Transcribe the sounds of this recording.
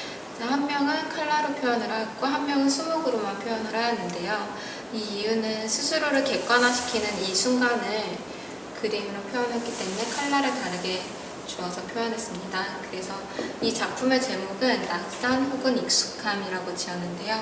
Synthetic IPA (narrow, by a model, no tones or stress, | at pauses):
d͡ʑehammjʌŋɯnkʰaɭːaɾopʰjojʌnɯɾɦak̚k͈oɦamːjʌŋɯnsʰumoɡɯɾomanpʰjojʌnɯɾɦajʌnːɯnde̞jo | iːunɯnsʰusʰuɾoɾɯɭke̞k͈wanɦaɕʰi̥kʰinɯnisʰuŋɡanɯɭ | kɯdemɾopʰjojʌnɦet̚k͈it͈e̞mune̞kʰaɭːaɾɯɭtaɾɯɡe̞ | t͡ɕuʌsʰʌpʰjojʌnɦe̞s͈ɯmɲidakɯɾe̞sʰʌ | it͡ɕak̚pʰume̞t͡ɕe̞moɡɯnːas͈anɸoɡɯnik̚s͈u̥kʰamiɾaɡot͡ɕiʌnːɯnde̞jo